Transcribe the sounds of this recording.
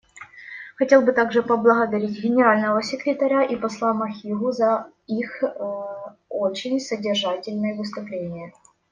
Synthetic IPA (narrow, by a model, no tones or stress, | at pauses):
xɐtʲe̞lˠbɨt̪aɡʐɨpəblˠəɣəd̪ɐɾʲitʲɡʲɪnʲɪɾalʲnəvəsʲɪkɾʲɪt̪ɐɾʲaʔipɐslˠamɐxʲiɣʊzɐ | ix | ot͡ɕɪnʲsədʲɪrʐatʲɪlʲnɨjəvɨs̬t̪ʊplʲenʲɪjə